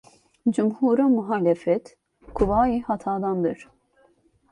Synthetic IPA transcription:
d͡ʒumhuːɾomuɦaːlɛfɛt̪ | kʰuvaːjiːhɑt̪ʰɑːd̪ɑnd̪ɨɾ

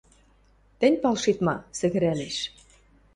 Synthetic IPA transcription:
t̪ɘ̆nʲpɑlʃit̪mɑsɘ̆ɣɘ̆ɾæleʃ

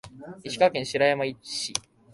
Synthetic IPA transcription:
iɕi̥kakẽɰ̃ɕiɾajamai̥ɕi

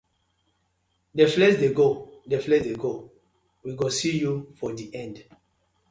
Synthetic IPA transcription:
deflɛsdeɡodeflɛsdeɡo | wiɡosijufɔdiʔɛ̃nd

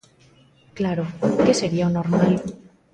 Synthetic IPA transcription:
klaɾokese̞ɾiaonoɾmal

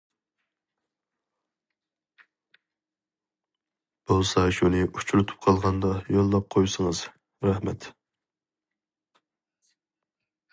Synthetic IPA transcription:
b̥olˠsɑʃulɨu̥t͡ʃʰɾut̪ʰu̥p̚qʰɑlˠʁɑnd̪ɑjolˠːɑp̚qʰojsəŋɨz̥ | ɾɑhmɛ̰t̪

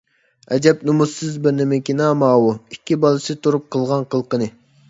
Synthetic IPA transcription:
ɛd͡ʒɛpnumusːɨzbɪɾnɪmɪkʲinɑːmɑːwuikʲʰːibɑlˠɨsɨt̪ʰuɾup̚qʰəlˠʁɑnqʰəlˠqənɨ

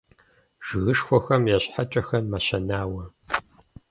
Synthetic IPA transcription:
ʒ̥ɨɣɨʂxʷɔxɐmjɛɕħat͡ʃʼɐxɐnmaɕɐnaːwɐ

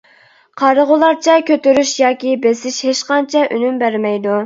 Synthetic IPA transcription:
qʰɑɾəʁʊlˠɑɾt͡ʃʰɛkʲʰøt̪yɾyʃjɑːkʲibesɪʃheʃqɑnt͡ʃʰɛʔynymbæɾmɛjd̪u

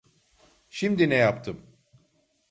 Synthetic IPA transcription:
ʃimd̪inɛjapt̪ʰɯm

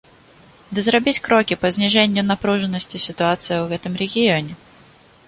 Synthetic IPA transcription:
d̪əzɾɐbʲitʲkɾokʲɪpəzʲnʲɪʐɛnʲɪjʊnɐpɾuʐɨnːəsʲtʲɪsʲɪt̪ʊat̪sɨjɪvɛt̪əmɾʲɪɡʲɪonʲɪ

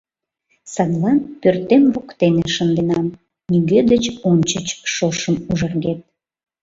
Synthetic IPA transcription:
sɑd̪lɑnpørt̪emvokt̪eneʃənd̪enɑm | niɣød̪ət͡ɕonʲt͡ɕət͡ɕʃoʃəmuʒərɣet̪̚

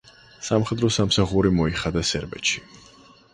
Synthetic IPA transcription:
samχɛd̪ɾɔsamsaχuɾimɔiχad̪asɛɾbɛ̰t̪ʃi̥

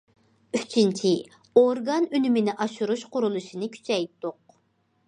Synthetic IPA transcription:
yt͡ʃʰint͡ʃʰi | oɾɡɑnynymɪnɪʔɑʃuɾuʃqʊɾulˠuʃinɨkʲʰy̥t͡ʃʰɛjt̪ːʊq̚

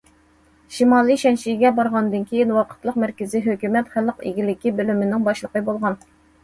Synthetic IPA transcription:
ʃimɑːlˠiʃɛnʃijɡʲɛbɑɾʁɑnd̪ɨnkʲʰejinwɑqʰə̥t̪lˠəqmɛɾkʲɪziɦøkʲymɛt̪χæləqḭɡʲilɪkʲibølymɪnɪŋbɑʃlˠəqəbolˠʁɑn

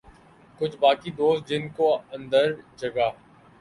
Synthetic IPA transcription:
kʊt͡ʃʰbaːkid̪oːst̪̚d͡ʒɪnkoɐ̃nd̪əɾd͡ʒɐɡaː

